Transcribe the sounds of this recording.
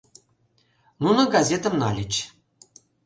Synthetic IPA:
nunŏɡazʲet̪ə̆mnɑlʲɘt͡ɕ

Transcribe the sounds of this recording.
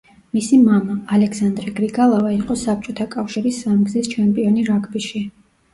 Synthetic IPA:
misimamaːlɛksand̪ɾɛɡɾiɡalˠavaiqʼɔsap̚ʰt͡ʃʼɔt̪ʰakʼafʃiɾisːamɡzist͡ʃʰɛmpʼiɔniɾaɡʰʼbiʃi

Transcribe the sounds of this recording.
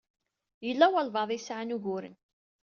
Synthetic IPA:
jəlːæwælvɑðˤisʕanuʝʊɾə̰n

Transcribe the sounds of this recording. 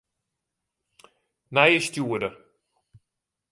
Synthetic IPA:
najəstjuədə

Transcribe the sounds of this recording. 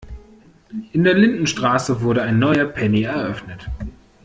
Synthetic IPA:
ʔɪndeːɐlɪndn̩ʃtʁ̥aːsəvʊɐɾəaɪnːɔʏɐpʰɛniɛɐʔœfnət

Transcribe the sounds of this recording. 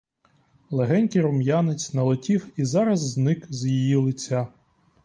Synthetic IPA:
lˠeɦɛnʲkʲiɾʊmjanɪt͡sʲnɐlˠɔtʲiwizɑɾɐzːnɪkzjijilˠɪt͡sʲːa

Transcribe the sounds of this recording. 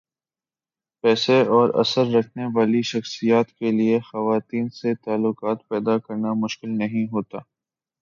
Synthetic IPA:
pɛːseɔːɾɐ̰səɾːɐkʰneʋaːliʃɐxsijaːt̪keliexɐʋaːt̪iːnset̪aːlːʊqaːt̪pɛːd̪akɐɾnamʊʃkɪlnɐɦĩɦoːt̪aː

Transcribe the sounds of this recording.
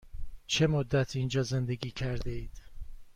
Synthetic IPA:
t͡ʃʰe̞mod̪ːæt̪ʰind͡ʒɒːze̞nd̪e̞ɡiːcʰæɾd̪eiːd̪̥

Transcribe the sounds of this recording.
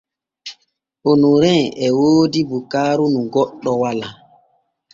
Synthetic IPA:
onuɾɛ̃ɛwoːdibukaːɾunũɡɔɗːɔwala

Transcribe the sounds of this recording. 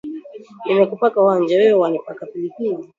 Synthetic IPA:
nimɛkupakawand͡ʒawɛwɛwanipakapilikili

